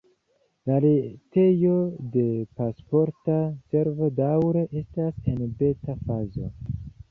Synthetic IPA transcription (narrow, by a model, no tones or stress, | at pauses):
laɾete̞jo̞de̞paspo̞ɾtase̞ɾvo̞dawɾe̞ʔe̞stase̞nbe̞tafazo̞̰